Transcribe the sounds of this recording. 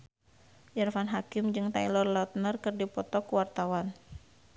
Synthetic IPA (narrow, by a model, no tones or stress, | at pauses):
jɛrfanɦakɪmd͡ʒɨŋt̪ailɔrlɔt̪̚nərkɨrdipɔt̪ɔkuwart̪awan